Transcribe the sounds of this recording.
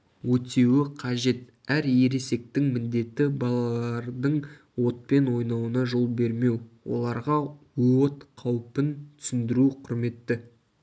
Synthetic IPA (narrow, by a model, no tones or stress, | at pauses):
wɵt̪e̞wɪqʰɑʒe̞t̪ | æɾje̞ɾe̞se̞k̚t̪ɪŋmɪnd̪e̞t̪ːɪbɑlˠɑlˠɑɾd̪əɴ | wo̞t̪̚pe̞nwo̞jnɑwənɑʒo̞lˠbe̞ɾme̞wwo̞̰lˠɑɾʁɑ | wo̞t̪qʰɑwpənt̪ʰʏ̥sɪnd̪ɪɾuqʰʊɾme̞t̪ːɪ